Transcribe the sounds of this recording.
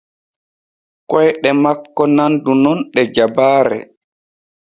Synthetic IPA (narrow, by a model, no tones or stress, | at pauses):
kɔjɗɛmakːɔnandunɔnɗɛd͡ʒabaːɾɛ̰